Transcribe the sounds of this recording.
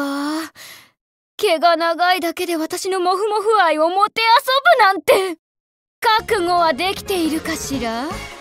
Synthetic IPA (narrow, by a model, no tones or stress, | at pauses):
a | ke̞ɡanaɡaid̪ake̞d̪e̞βat̪aɕino̞mo̞ɸɯ̟mo̞ɸɯ̟aio̞mo̞t̪e̞aso̞bɯ̟nãnt̪e̞ | kakɯ̟ŋo̞βad̪e̞kʲi̥t̪e̞iɾɯ̟kaɕiɾa